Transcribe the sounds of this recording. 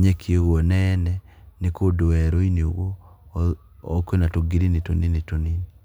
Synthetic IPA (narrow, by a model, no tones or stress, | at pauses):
ɲɛkʰieɣwɔnɛɛnɛnekodoɛɾoinoɣo | kwenatoɡiɾinetoninetonini